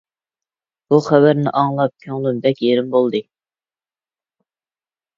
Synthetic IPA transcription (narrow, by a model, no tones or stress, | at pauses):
b̥uχæbæɾnɪ̰ʔɑŋlˠɑp̚kʲʰøŋlˠymbɛkʲjeɾɪmbolˠd̪ɨ